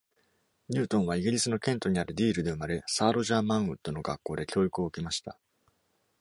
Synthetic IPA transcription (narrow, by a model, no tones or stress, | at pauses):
ɲ̟ɨːt̪õɰ̃β̞aiɡʲiɾʲisɨno̞kẽ̞nt̪o̞ɲ̟iaɾɯ̟d̪ʲiːɾɯ̟d̪e̞ɯ̟maɾe̞saːɾo̞ʑaːmãɰ̃ɯ̟t̪ːo̞no̞ɡakːo̞ːd̪e̞kʲo̞ːikɯ̟o̞ɯ̟kʲimaɕi̥t̪a̰